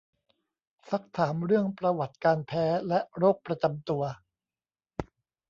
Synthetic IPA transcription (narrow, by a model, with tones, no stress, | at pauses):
sa˦˥k̚t̪ʰaː˩˦mɾɯ˥˩əŋpɾa˧wa˨˩t̪̚kaː˧npʰɛː˦˥lɛ˦˥ɾoː˥˩k̚pɾa˧t͡ɕa˧mt̪u˧ɐ